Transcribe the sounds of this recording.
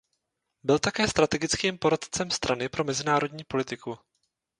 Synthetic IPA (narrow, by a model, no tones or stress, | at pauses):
bɪlt̪akɛːst̪ɾat̪ɛɡɪt͡skiːmpo̞ɾat̪t͡sɛmst̪ɾʔanɪpɾo̞mɛzɪnaːɾo̞dɲiːpo̞lɪt̪ɪku